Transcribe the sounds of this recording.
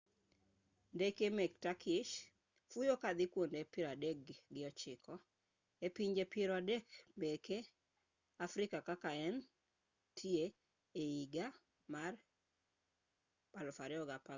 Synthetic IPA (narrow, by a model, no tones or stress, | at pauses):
ndekemek̚takʰɪʃ | fujokad̪ɪkwondepɪɾadek̚ɡɪɔt͡ʃɪkʰɔ | epiɲd͡ʒepʰɪɾɔadekmeke | afɾɪkakakaɛn | tʰie | eiɡa | mar | balɔfaɾɪɔɡapa